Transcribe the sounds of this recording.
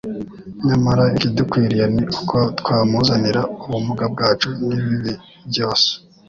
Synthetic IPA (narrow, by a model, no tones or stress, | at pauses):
ɲamaɾaikidukwiːɾijaniku̥kʰotwaːmuzaniɾauβumuɡab̚ɡaːt͡ʃuniβiβi | bɟo̞ːse̥